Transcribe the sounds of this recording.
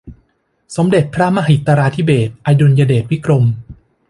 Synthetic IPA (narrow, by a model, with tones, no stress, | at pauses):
so˩˦mde˨˩t̪̚pʰɾa˦˥ma˧ɦi˨˩t̪aː˧ɾaː˧t̪ʰi˦˥beː˨˩t̪̚ʔa˧jdu˧njaː˧deː˨˩t̪̚wi˦˥kɾo˧m